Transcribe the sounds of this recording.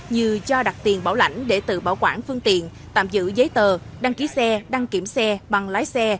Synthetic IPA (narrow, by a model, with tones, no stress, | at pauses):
ɲɨ˧˩t͡ɕɔ˧ɗa˨˩k̚t̪i˨˩ənɓaː˧˩wla̰˧˩jŋ̟ɗe˧˩t̪ɨ̰˧˨ɓaː˧˩wkwaː˧˩nfɨ˧əŋt̪ḭ˧˨ənt̪a̰ː˧˨mzɨ̰˧˥zəː˨˦jt̪əː˨˩ɗa˧ŋki˨˦sɛ˧ɗa˧ŋki˧˩əmsɛ˧ɓa˨˩ŋlaː˨˦jsɛ˧